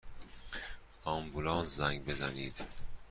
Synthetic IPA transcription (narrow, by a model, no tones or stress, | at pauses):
ɒːmbulɒːnszæŋɟbe̞zæniːd̪̥